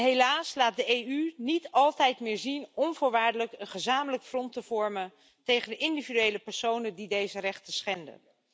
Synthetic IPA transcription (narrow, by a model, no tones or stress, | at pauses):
ɦelaːslaːt̚dəejynitɑlˠtɛjtmɪːɹzinɔnvʊːɹʋaːɹdələkənχəzaːmələkfrɔntəv̥ɔɹmən | tejχəndəʔɪndividyejləpɛɹsownəndidejzərɛχtəsχɛndə̰n